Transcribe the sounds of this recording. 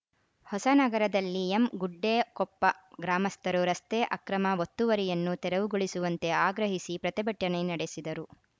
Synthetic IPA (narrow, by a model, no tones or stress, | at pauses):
hɔsɐnɐɡɐɾɐd̪ɐlːiemɡuɖːeːkɔpːɐɡɾaːmɐst̪ɐɾuɾɐst̪eːʔɐkɾɐmɐʋot̪ːuʋɐɾijɐnːut̪ɛɾɐʋuɡuɭisuʋɐnt̪e̞aːɡɾɐɦisipɾɐt̪ibɐʈːɐnenɐɽesid̪ɐɾu